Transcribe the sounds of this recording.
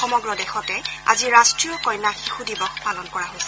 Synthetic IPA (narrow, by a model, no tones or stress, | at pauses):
xɔmɔɡɹɔdɛxɔtɛa̰ziɹastɹiɔkɔjnaxixudibɔxpalɔnkɔɹaɦojsɛ̥